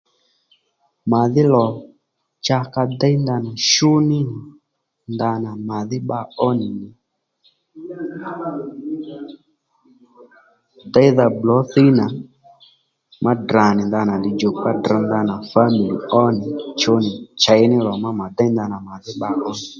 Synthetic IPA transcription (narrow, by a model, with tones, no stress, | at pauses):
ma˨ðɪ˦lɔ˨ | t͡ʃa˧ka˧da˦jnd̪a˧na˨ʃʊ˦nɪ˦˨ | nd̪a˧na˨ma˨ðɪ˦ɓa˧ɔ˦nɪ˨nɪ˨ | da˦ða˧blɔ˨˦θi˦na˨ | ma˦dra˨nɪ˨nda˧na˨dɪ˨d͡ʒo˨k͡pa˦dra˧nd̪a˧na˨fa˦mi˨lḭ˨ɔ˦nɪ˨t͡ʃʊ˦nɪ˨t͡ʃa˨jnɪ˦lɔ˨ma˦ma˨da˦jnd̪a˧na˨ma˨ðɪ˦ɓa˧˦ɔ˦nɪ˨